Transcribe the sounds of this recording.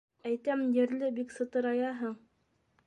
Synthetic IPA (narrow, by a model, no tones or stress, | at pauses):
æjt̪æmjɘ̆ɾlɘbiksɤ̆t̪ɤ̆ɾɑjɑɦɤɴ